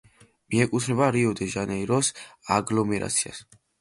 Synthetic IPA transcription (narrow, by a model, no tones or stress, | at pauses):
miɛkʼut̪ʰɾɛbaɾiɔd̪ɛʒanɛiɾɔsaɡlɔmɛɾa̰t̪sʰia̰s